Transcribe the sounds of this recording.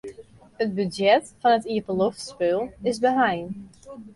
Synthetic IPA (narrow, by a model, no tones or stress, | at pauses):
ət̚bydjɛtfɔnətiəvəloftspølˠɪzbəɦajn